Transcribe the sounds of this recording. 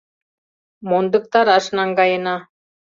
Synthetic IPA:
mond̪ɤ̆k̚t̪ɑɾɑʃnɑŋɡɑjɤ̆nɑ

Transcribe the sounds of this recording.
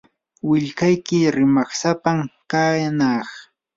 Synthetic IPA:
wɪʎkajkɪɾɪmaχsapamkajnɑχ

